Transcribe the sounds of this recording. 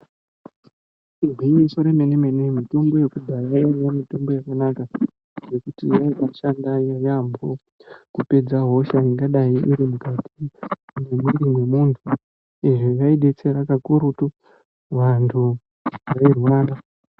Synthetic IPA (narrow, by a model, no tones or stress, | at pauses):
iɡʱwiɲisoɾeme̞neme̞ne̞mito̞mbo̞je̞kubʱajajojomito̞mbo̞jakanaka | ʐe̞kutijaiɓaʃandajojambʱo | kupe̞d͡zaɦo̞ʃaniŋɡaɗaiʔiɾimukatʰinemwiɾimwe̞muntʰu | iʐejaiɗe̞t͡se̞ɾakakuɾutu | ʋantʰu | reruwaːna